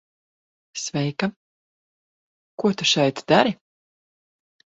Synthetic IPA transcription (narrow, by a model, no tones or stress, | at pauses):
svɛjka | kuɔt̪uʃɛjt̪d̪aɾi